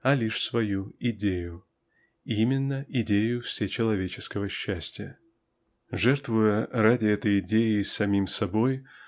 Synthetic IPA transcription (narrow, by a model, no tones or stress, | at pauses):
ɐlʲiʂsvɐjuɪdʲejʊ | imʲɪnːəʔɪdʲejʊfsʲɪt͡ɕɪlˠɐvʲet͡ɕɪskəvəɕːæsʲtʲɪjə | ʐɛrt̪vʊjəradʲɪɛt̪əjɪdʲejɪsɐmʲimsɐbo̞j